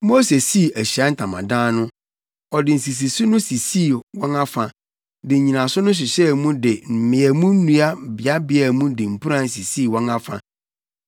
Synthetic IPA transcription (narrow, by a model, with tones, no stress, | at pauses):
mo˦se˨si˦˨æ˨ɕi˨a˦n̩˦tʰã˨mã̰˨dãː˦nʊ̃˦ | ɔ˨dɪ˨n̩˨si˨s̬i˨su˦nʊ̃˦si˨si˦˨wɔ̃˦na˦fã˨ | dɪ˨ɲ̩˨ɲĩ˨nã˨sʊ˦nʊ̃˦ɕ̬ɪ˨ɕɛ˦˨mũ˦dɪ˨m̩˨mɪ̃˨æ˨mũ˦n̩˦nũ˦a˦˨bɪ˨a˦bɪ˦æ˦˨mũ˦dɪ˨m̩˨pʰu˦ɾã˦˨n̩˨si˨si˦˨wɔ̃˦ŋa˦fã̰˨